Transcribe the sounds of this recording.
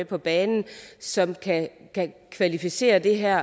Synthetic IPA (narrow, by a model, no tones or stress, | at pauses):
epʰɒ̽b̥ɛːnn̩sɒ̽mkʰækʰækʰʋælifise̝̰ːɐd̥e̝ɦæɐ̰